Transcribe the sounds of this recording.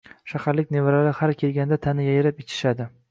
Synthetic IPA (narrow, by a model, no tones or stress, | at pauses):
ʃahaɾlɪkʲnevaɾalɪhaɾkʲʰelɡʲanɪd̪at̪ʰanɪjajɾapet͡ʃʰɪ̥ʃad̪ɪ